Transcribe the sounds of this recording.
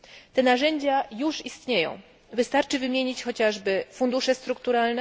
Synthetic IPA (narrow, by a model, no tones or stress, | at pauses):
t̪ɛnaʐɛɲd͡ʑajuʂist̪ɲejɔ̰̃w̃ | vɘst̪aɾt͡ʂɘvɘmʲjeɲit͡ɕxɔt͡ɕaʐbɘfund̪uʂɛst̪ɾukt̪uɾalnɛ